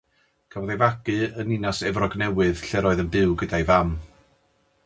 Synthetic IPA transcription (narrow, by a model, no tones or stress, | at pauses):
kʰavɔðejvaɡɨəninasɛvrɔɡnɛwɨðɬɛɾɔɨðənbɪwɡədajvam